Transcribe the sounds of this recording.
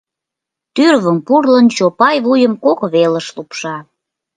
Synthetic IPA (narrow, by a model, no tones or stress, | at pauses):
t̪yrβəmpurlənt͡ɕopɑjβujəmkokβelə̆ʃlupʃɑ